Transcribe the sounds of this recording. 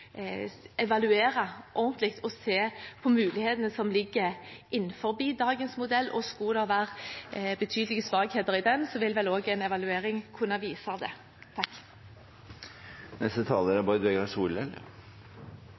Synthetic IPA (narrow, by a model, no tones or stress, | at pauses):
ɛʋɑlʉeːɾɑʔɔʁnt̪ʰlɪkt̪ʰɔseːpʰɔmʉːlɪheːt̪ənəsɔmlɪɡːəʔɪnːfɔʁbiːd̪ɑːɡənsmʊd̪ɛlːʔɔskud̪ɑʋæːʁbət̪ʰyːd̪lɪɡəsʋɑːɡheːt̪əʁɪd̪ɛnsɔʋɪlʋɛloːɡɛnɛʋɑlʉeːʁɪŋkʰʉnːɑʋiːsɑd̪ɛ | t̪ʰɑkː | nɛst̪ət̪ʰɑːləɾɛbɑːɾəd̪ɛɡɾɑsuːlɛlːə̰ɾ